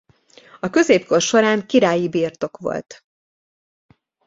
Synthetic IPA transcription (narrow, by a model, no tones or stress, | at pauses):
ɒkø̞zeːpko̞rʃo̞ɾaːŋkiɾaːjibiːrt̪o̞kʋo̰lt̪